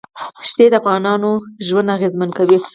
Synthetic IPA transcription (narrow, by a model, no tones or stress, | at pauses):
ʃt̪ed̪əafɣɑnɑnoʒwand̪aɣezmankawi